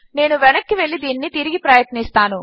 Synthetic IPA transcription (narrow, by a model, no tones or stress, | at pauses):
ne̞ːnuʋɛnɐkːiʋe̞ɭːid̪iːnnit̪iɾiɡipɾɐjɐt̪nist̪aːnu